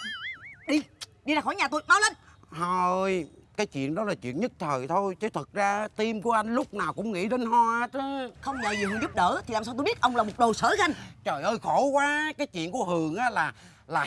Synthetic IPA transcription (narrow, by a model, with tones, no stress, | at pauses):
ɗi˧ɗi˧zaː˧˩xɔ˧˩˦jɲaː˨˩t̪u˧jmaː˨˦wlə˧˩nho˧ə˧jkaː˨˦jt͡ɕwḭ˧˨ənɗɔ˨˦laː˨˩t͡ɕwḭ˧˨ənɲɨ˦˥t̚t̪ʰəː˨˩jt̪ʰo˧jt͡ɕə˨˦t̪ʰə˨˩t̚zaː˧t̪i˧mku˧˩əʔa˧jŋ̟lʊ˦˥k͡p̚naː˨˩wkʊ̰˧˥ŋ͡mŋḭ˧˥ɗe˨˧˦nɦɔ˧aː˨˧˦t̪ə˨˦xə˧wŋ͡mŋə̰ː˧˨jzi˨˩hɨ˨˩˨ŋzʊ˦˥p̚ɗəː˧˨˦t̪ʰi˨˩a˨˩saː˧wt̪o˧jɓi˦˥ət̚ʔə˧wŋ͡mlaː˨˩mo˨˩t̚ɗo˨˩səː˧˩˦ɣa˧ŋt͡ɕəː˨˩jʔəː˧jxo˧˩˦kwaː˨˦kaː˨˦jt͡ɕwḭ˧˨ənku˧˩əɦɨ˨˩əŋʔaː˨˦laː˨˩ | laː˨˩